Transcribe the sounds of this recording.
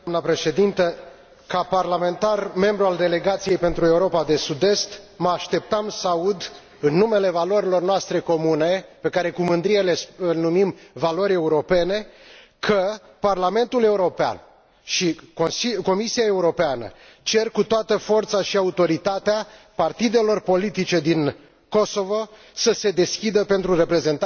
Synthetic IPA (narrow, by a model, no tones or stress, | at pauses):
nəpɾe̞ʃe̞d̪int̪ə | kaparlame̞nt̪arme̞mbɾuald̪e̞le̞ɡat̪sije̞jpe̞nt̪ɾue̞uɾo̞pad̪e̞sud̪e̞st̪məaʃt̪e̞p̚t̪amsaud̪ | ɨnːume̞le̞valo̞ɾilo̞rnoast̪ɾe̞ko̞mune̞pe̞kaɾe̞kumɨnd̪ɾiele̞snumimvalo̞ɾʲe̞uɾo̞pe̞ne̞ | kʰə | parlame̞nt̪ule̞uɾo̞pea̰n | ʃikosiko̞misiae̞uɾo̞peanə̰ | t͡ʃe̞rkut̪oat̪əfo̞rt̪saʃiaut̪o̞ɾit̪at̪ea | part̪id̪e̞lo̞rpo̞lit̪it͡ʃe̞d̪in | ko̞so̞vo̞ | səse̞d̪e̞skʲid̪əpe̞nt̪ɾure̞pɾe̞ze̞nt̪